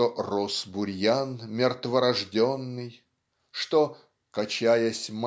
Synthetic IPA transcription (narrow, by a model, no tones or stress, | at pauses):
orosbʊɾʲjanmʲɪrt̪vəɾɐʐdʲonːɨj | ʂt̪o | kɐt͡ɕajəsʲm